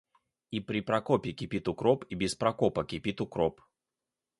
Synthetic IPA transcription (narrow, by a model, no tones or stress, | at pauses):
ipɾʲɪpɾɐkopʲɪkʲɪpʲit̪ʊkɾopibʲɪspɾɐkopəkʲɪpʲit̪ʊkɾop